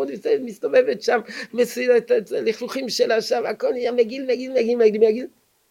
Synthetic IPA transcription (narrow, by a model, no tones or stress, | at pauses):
od̪vsemist̪ovevet̪ʃammesuet̪tliχluχimʃelaʃavakolijameɡilmeɡilmeɡilmeɡilmeɡil